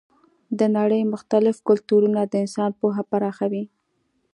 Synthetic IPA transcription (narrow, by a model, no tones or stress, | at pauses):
d̪ənaɽəjmʊxt̪alɪfkʊlt̪uɾunad̪əɪnsɑnpoɦapaɾɑxawi